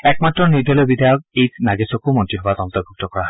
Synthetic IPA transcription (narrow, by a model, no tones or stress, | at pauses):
ɛk̚matɹɔnidʱɔlɔjbidʱajɔk̚ejnaɡesɔkomɔntɹiɦɔbatɔntɔbʱuk̚tɔkɔɹaɔ